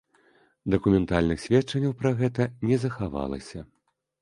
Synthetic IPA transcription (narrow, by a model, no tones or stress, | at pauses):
d̪ɐkumʲɛnt̪alʲnɨxsʲvʲɛtt͡ʂɐnʲːɐwpɾaɣɛt̪ɐnʲɛzɐxava̰lˠɐ̰sʲɐ